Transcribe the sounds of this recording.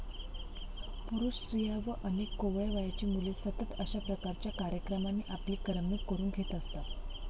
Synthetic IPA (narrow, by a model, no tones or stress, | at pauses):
puɾuʂɕɾijaʋəʔənekːoʋjʋajat͡ɕiːmulesət̪ət̪əɕapɾəkaɾt͡ɕjakaɾjəkɾəmanːiʔapliːkəɾəmuːkkəɾuːnɡʱet̪əst̪a